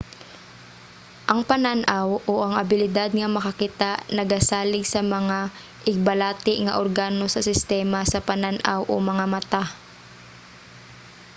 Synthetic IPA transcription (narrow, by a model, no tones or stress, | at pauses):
ʔɐŋpɐnanʔawʔoʔɐŋɐbɪlɪd̪ad̪̚ŋɐmɐkɐkɪt̪aʔnɐɡasaːlɪɡsɐmɐŋa | ʔɪɡ̚bɐlaːt̪ɪʔŋɐ̰ʔoɾɡaːnosɐsɪst̪ɛːmɐsɐpɐnanʔa̰wʔomɐŋamɐt̪a